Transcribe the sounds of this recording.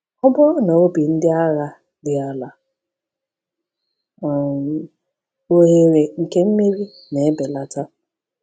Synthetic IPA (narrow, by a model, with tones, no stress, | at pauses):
ɔ˦bɔ˦no˨o˦bi˨n̩˦dɪ˦a˦ɣa˦ | dɪ˨a˦la˨ | o˦ɦe˦˨ɾe˨ŋ̩˨ke˦m̩˦me˦ɾi˦ | ne˨e˦be˨la˦ta˦